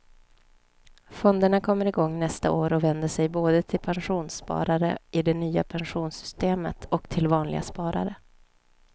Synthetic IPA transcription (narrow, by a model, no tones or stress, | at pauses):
fɔnd̪əɳakʰɔmːəɾɪɡɔŋːnɛst̪a̰oːɾɔvɛnd̪əʂɛjboːd̪ət̪ʰɪlpʰanɧuːnspɑ̰ːɾaɾə̰ɪd̪ɛnyːa̰pʰanɧuːnsʏ̥st̪eːmə̰t̪ʰɔkt̪ʰɪlvɑːnlɪ̰ɡa̰spɑːɾa̰ɾə